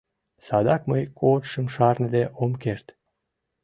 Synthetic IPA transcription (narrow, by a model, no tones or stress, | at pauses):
sɑd̪ɑkməjkʰot̪ʃə̆mʃɑrnə̆d̪eʔomkert̪